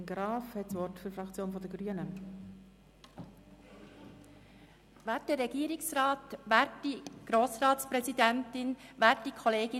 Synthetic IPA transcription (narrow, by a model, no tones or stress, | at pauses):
ɡɾɑːfhɛtsʋɔrtfyɾfɾɑkt͡sjoːnfɔdəɡɾyənə | ʋæːɾtdərɛɡ̥iːɾɪksrɑːt̪ʋæːɾtdiɡ̥ɾoːsrɑːtspɾɛzidæntɪnʋæːɾt̚dikʰχɔleːɡɪ